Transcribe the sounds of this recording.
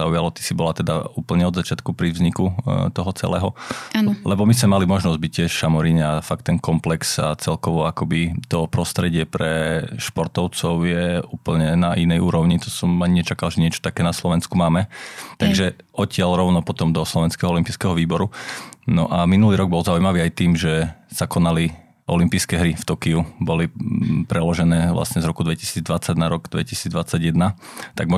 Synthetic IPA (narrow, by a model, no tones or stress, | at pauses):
aujalɔt̪i̥sibɔlat̪ɛd̪a̰uːpl̩ɲɛɔd̪zat͡ʃɪat̪kupɾiʋzɲikut̪ɔɦɔt͡sɛ̰lɛ̰ːɦɔalɛbɔmismɛmalimɔʒnɔzɟ̚bic̚tːɪɛʃʃamɔɾiɲɛafak̚t̪ːɛnkɔmplɛksa̰t͡sɛlkɔʋɔakɔbit̪ɔpɾɔst̪ɾɛɟɪɛpɾɛʃpɔɾt̪ɔʊt͡sɔʊjɛuːpl̩ɲɛnaʔinɛjuːɾɔʊɲit̪ɔsɔmaɲiɲɛt͡ʃakalʒɛɲɪɛt͡ʃɔ̥t̪akɛːnaslɔʋɛnskumaːmɛt̪aɡʒɛɔcɪalɾɔʊnɔpɔt̪ɔmd̪ɔslɔʋɛnskɛɦɔɔlimpiːskɛɦɔʋiːbɔɾunɔʔaminuliːɾɔɡ̚bɔlzaujmaʋiːajt̪iːmʒɛsakɔnali | ʔɔ̰limpiːskɛɦɾift̪ɔkiubɔlipɾɛlɔʒɛnɛːʋlʔa̰sɲɛzɾɔkud̪ʋɛcisiːd͡zd̪ʋat͡saɟnaɾɔɡd̪ʋɛ̰cisiːd͡zd̪ʋat͡saɟjɛd̪nat̪aɡmɔ